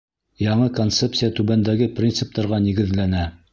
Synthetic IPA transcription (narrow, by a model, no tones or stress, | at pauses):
jɑɴɤkont̪sept̪sɨjat̪ʉβænd̪æɡɘprʲint̪sɨp̚t̪ɑɾʁɑniɡɘ̆ðlænæ